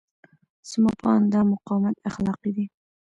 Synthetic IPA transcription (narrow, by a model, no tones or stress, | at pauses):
sɨmɑpʰɑnd̪ɑmʊqʰɑmæt̪æχlˠɑqid̪ɪ